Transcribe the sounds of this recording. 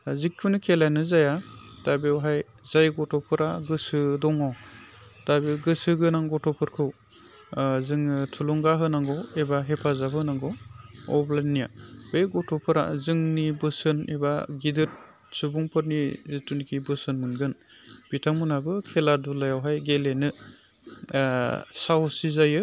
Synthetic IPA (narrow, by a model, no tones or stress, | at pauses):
azikʰːunikʰelanɯzajad̥abewɦaj | zajɡɔtɔpʰɯɾaɡɯsɯdɔŋawd̥abeɡɯsɯɡɯnaŋɡɔtɔpʰɯɾkʰɯw | zɯŋtʰulɔŋɡaɦɯnaŋɡɔebaɦepʰazaɦɯnaŋɡɔɔ̰blanija̰bejɡɔtʰɔpʰɯɾa̰zɯŋnibɯsɯnebaɡidɯt̚ | subuŋpʰɯɾnizɯtunkʰibɯsɯnmɯnɡɯn | b̥itʰaŋmunabɯkʰeladulajawɦajɡelenɯ | sawsizajɯ